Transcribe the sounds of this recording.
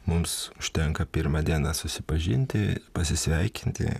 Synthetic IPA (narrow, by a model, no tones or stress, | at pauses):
mʊmsʊʃʲt̪ʲɛŋkɐpʲɪɾmɑːd̪ʲiɛnɑsʊsʲɪpɐʒʲɪnʲt̪ʲɪpɐsʲɪsʲʋʲɛɪkʲɪnʲt̪ʲɪ̰